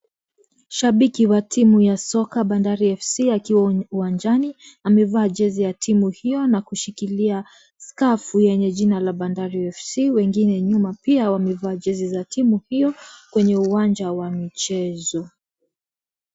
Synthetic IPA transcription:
ʃaɓikiwatʰimujasɔkaɓandaɾiɛfsiakiwauwand͡ʒaniamɛvaːʄɛzijatʰimuhijɔnakuʃikilia | skafujɛɲɛʄinalaɓandaɾiɛfsiwɛŋɡinɛɲumapiawamɛvaːʄɛzizatʰimuhijɔkwɛɲɛuwand͡ʒawamit͡ʃɛzɔ

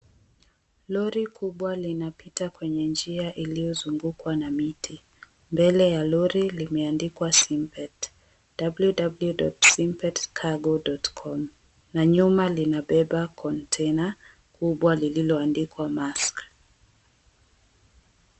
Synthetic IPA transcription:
lɔɾikʰuɓwalinapitakwɛɲɛnd͡ʒiaʔilijɔzuŋɡukwanamitʰi | mbɛlɛjalɔɾilimɛandikwasimpɛt | d̥abuljudabuljudɔtsimpɛtkʰaɡɔdɔtkʰɔm | naɲumalinaɓɛɓakʰɔntʰɛna | kʰuɓwalililɔandikwamask

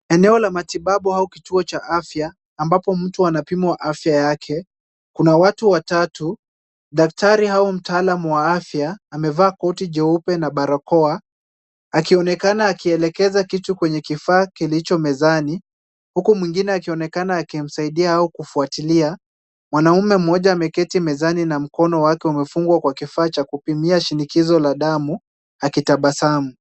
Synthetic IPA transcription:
ɛnɛɔlamatiɓaɓuhaukituɔt͡ʃaʔafjaː | mbapɔm̩tuanapimwaʔafjajakʰɛ | kunawatuwatatu | ɗak̚taɾihaum̩taalamuwaafjaːmɛvaːkɔtid͡ʒɛupɛnaɓaɾakɔa | akiɔnɛkanaːkiɛlɛkɛzakitukwɛɲɛkifaːkilit͡ʃɔmɛzani | hukumwiŋɡinɛakiɔnɛkanaːkim̩saiɗiaaukufuatilia | mwanaumɛm̩ɔʄaːmɛkɛtimɛzaninam̩kɔnɔwakɛumɛfuŋɡwakwakifaːt͡ʃakupimiaʃinikizɔlaɗamu | akitaɓasamu

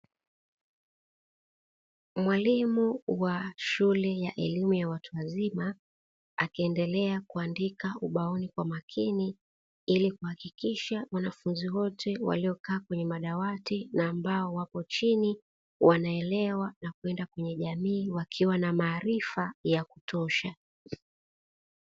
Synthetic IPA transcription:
mwalimuwaʃulɛjaʔɛlimujawatuwazima | akiɛndɛlɛakuandikauɓaɔnikwamakʰini | ilikuhakikiʃawanafunziwɔtʰɛwa̰liɔkaːkwɛɲɛmaɗawatinaːmbaɔwapɔt͡ʃini | wʔanaɛlɛwanakuɛndakwɛɲɛʄamiːwakʰiwanamaːɾifajaku̥tɔʃa

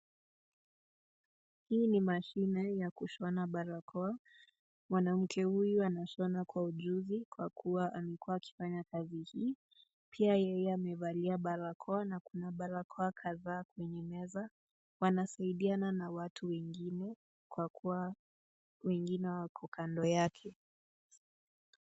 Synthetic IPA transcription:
hiːnimaʃinɛjakuʃɔnaɓaɾakʰɔa | mwanam̩kʰɛhujuanaʃɔnakwauʄuzikwakʰuwaʔamɛkuaːki̥faɲakazihiː | pʰiajɛjɛamɛvaliaɓaɾakʰɔanakunaɓaɾakʰɔakʰaðaːkwɛɲɛmɛza | wanasaiɗiananawatʰuwɛŋɡinɛ | kwakʰua | wɛŋɡinɛwakʰɔkʰandɔjakʰɛ

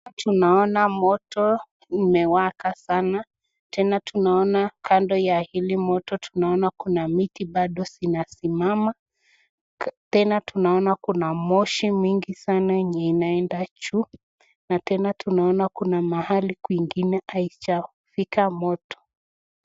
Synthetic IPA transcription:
tʰunaɔnamɔtʰɔ | nimɛwakasana | tʰɛnatʰunaɔnakʰandɔjahilimɔtɔtʰunaɔnakunamitiɓaɗɔsinasimama | tɛnatunaɔnakunamɔʃimwiŋɡisanaɲɛinaɛndat͡ʃu | natɛnatʰunaɔnakunamahalikwiŋɡinɛait͡ʃa | fikamɔtɔ̥

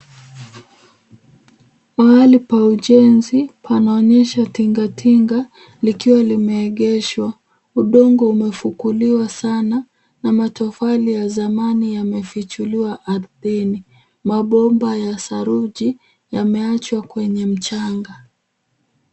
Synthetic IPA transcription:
maalipauʄɛnzipʰanaɔɲɛʃatiŋɡatʰiŋɡa | likiwalimɛːɠɛʃwa | uɗɔŋɡɔumɛfukuliwasana | namatɔfalijazamanijamɛfit͡ʃuliwaʔaɾðini | maɓɔmbajasaɾuʄi | jamɛat͡ʃwakwɛɲɛm̩t͡ʃaŋɡa

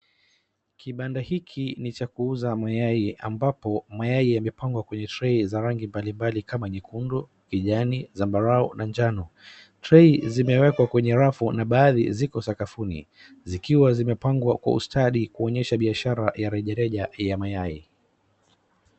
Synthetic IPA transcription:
kiɓandahikʰinit͡ʃakuuzamajaia̰mbapɔmajaiamɛpaŋɡwakwɛɲɛtɾɛizaɾaŋɡimbalimbalikamaɲikundɔ | kiʄanizambaɾaɔnʔand͡ʒanɔ | tɾɛizimɛwɛkwakwɛɲɛɾafunaɓaːðḭzikɔsakafunḭ | zikiwazimɛpaŋɡwa̰kwa̰ṵstaɗikuɔɲɛʃaɓiaʃaɾajaɾɛʄaɾɛʄajamajai

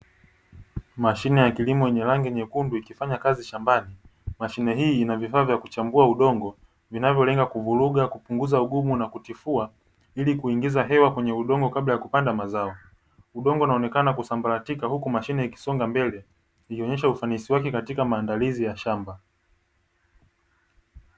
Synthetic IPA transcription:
maʃinɛjakilimɔjɛɲɛlaŋɡɛɲɛkunduikifaɲakaziʃambani | maʃinɛɦiːnavifaːvjakut͡ʃambuauɗɔŋɡɔ | vinavjɔlɛŋɡakuvuɾuɠakupuŋɡuzauɠumunakutifua | ilikuiŋɡizaɦɛwakwɛɲɛuɗɔŋɡɔkaɓlajakupandamazaɔ | uɗɔŋɡɔunaɔnɛkanakusambaɾatikahukumaʃinɛiki̥sɔŋɡambɛlɛ | ihiɔɲɛʃaufanisiwakɛkatikamaːndalizijaʃamba

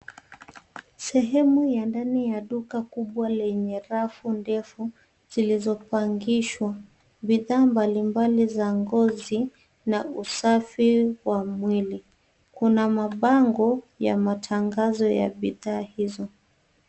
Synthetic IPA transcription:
sɛɦɛmujandanijaɗukakuɓwalɛɲɛɾafundɛfu | z̥ilizɔpaŋɡiʃwa | ɓiðaːmbalimbalizaŋɡɔzi | nausafiwamwili | kunamaɓaŋɡɔ | ja̰matʰaŋɡazɔja̰ɓiðaːhizɔ

